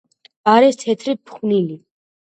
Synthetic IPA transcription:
aɾɛst̪ʰɛt̪ʰɾipʰχnili

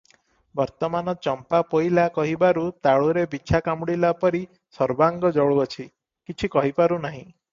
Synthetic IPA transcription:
bɔɾt̪ɔmanɔt͡ʃɔmpapojlakɔɦibaɾut̪aɭuɾebit͡ʃʰakamɽilapɔɾi | sɔɾbaŋɡɔd͡ʒɔɭuɔt͡ʃʰi | kit͡ʃʰikɔɦipaɾunaɦĩ

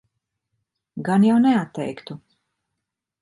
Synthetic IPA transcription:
ɡanjawnɛat̪ːɛ̰jkt̪u

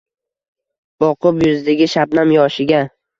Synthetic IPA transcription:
b̥ɒqʰʊpjʊzd̪ɪɡʲɪʃapnamjɒʃɪɡʲa

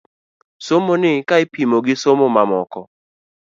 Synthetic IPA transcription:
somonɪkaɪpimoɡɪsomomamɔkɔ

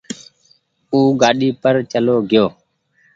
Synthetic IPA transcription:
uːɡaːɗiːpəɾt͡ʃəloːɡɪjoː

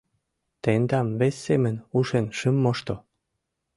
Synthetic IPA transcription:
t̪end̪ɑmβesʲːemənuʃenʃymːoʃt̪o

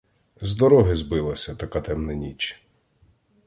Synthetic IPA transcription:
zd̪ɔɾɔɦɪzbɪlˠɐsʲɐt̪ɐkat̪ɛmnɛnʲit͡ʃ

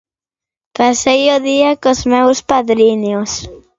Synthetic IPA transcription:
pasejoðiakozmewspaðɾinos

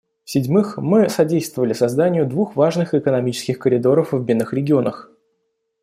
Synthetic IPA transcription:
fsʲɪdʲmɨxmɨsɐdʲejst̪vəvəlʲɪsɐzd̪anʲɪjʊd̪vuxvaʐnɨxɪkənɐmʲit͡ɕɪ̥skʲɪxkəɾʲɪd̪o̞ɾəfvbʲinːɨxɾʲɪɡʲɪo̞nəx

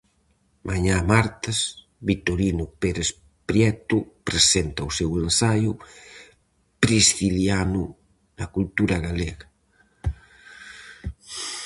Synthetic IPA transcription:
mʔaɲamaɾt̪as | βit̪oɾinʊpeɾes | pɾjɛt̪upɾesent̪ɐusewensajʊ | pɾisθiljanʊ | nɐkult̪uɾɐɣaleɣɐ

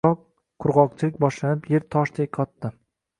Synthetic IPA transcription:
ɒqʰː | ʊɾʁɒq̚t͡ʃʰɪlɪk̚ʲbɒʃlanɪpje̞ɾt̪ʰɒʃd̪ʰek̚ʲqʰɒt̪ːɪ

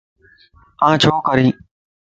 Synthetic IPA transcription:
ãːt͡ʃʰoːkəɾĩː

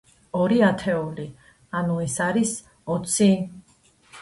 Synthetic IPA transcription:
ɔɾiat̪ʰɛuli | anuɛsaɾis | ɔt̪sʰi

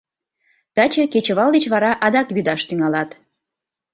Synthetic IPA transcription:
t̪ɑt͡ɕə̆ket͡ɕə̆βɑlˠd̪et͡ɕβɑɾɑʔɑd̪ɑkβyd̪ɑʃt̪yŋɑlɑt̪

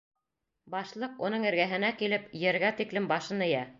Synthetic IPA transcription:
bɑʃlˠɤqunɤŋɘ̆ɾɡæɦɘ̆nækilɘpjɘ̆ɾɡæt̪iklɘmbɑʃɤnɘ̆jæ

